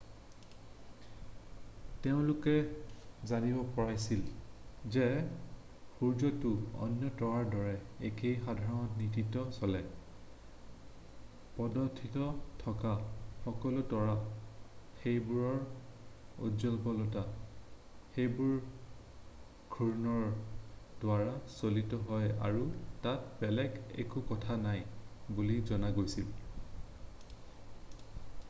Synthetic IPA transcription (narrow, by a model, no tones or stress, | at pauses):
teʊ̃lukɛzanibɔpɔɹajsilzɛ | xuɹd͡ʒɔtuɔ̰njɔtɔɹaɹdɔɹɛekʰejxadʱaɹɔnɔtnititɔsɔlɛ | pɔdɔtʰːitɔtʰɔkaxɔkɔlutɔɹa | xejbuɹɔɹ | o̰zɔlpɔlɔta | xejbuɹ | ɡʰʱuɹnɔɹdwaɹasolitɔɦɔja̰ɹutatbɛlɛɡḛkukɔtʰanajbulizɔnaɡojsil